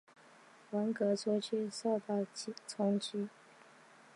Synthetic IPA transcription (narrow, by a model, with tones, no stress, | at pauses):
wə˧˥nkɤ˧˥t͡sʰɔ˥t͡ɕʰy˥˧so˥˧ʊt̪ɑ˥˩ʊt͡ɕt͡sʰʊ˥ŋt͡ɕi˥